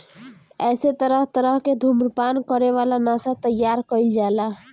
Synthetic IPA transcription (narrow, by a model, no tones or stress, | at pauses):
ɛset̪əɾəɦt̪əɾəɦked̪ʱumɾpankəɾeʋalanasat̪əjaɾkəild͡ʒaela